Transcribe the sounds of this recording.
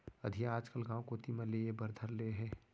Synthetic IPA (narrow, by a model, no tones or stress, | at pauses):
ɐd̪ʱiaaːd͡ʒkəlɡãːwkot̪imə̃leebəɾd̪ʱəɾleɦɛ̃ː